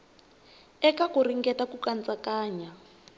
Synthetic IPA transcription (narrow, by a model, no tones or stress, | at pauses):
ɛkakuriŋɡɛtakukant͡sʼakaːɲa